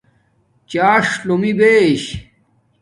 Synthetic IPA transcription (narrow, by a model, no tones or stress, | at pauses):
t͡ɕaːʂlomibeɕ